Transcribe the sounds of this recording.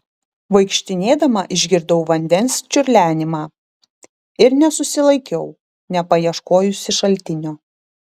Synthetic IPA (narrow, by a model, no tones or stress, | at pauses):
ʋɐɪkʃʲt̪ʲɪnʲeːd̪ɐmɐʔɪʒʲɡʲɪɾd̪ɐʊʋɐnʲd̪ʲɛnsʲt͡ʃʲʊɾʲlʲæːnʲɪmɑː | ɪɾnʲɛsʊsʲɪlˠɐɪkʲɛʊ | nʲɛpɐjiɛʃkoːjʊsʲɪʃɐlʲt̪ʲɪnʲoː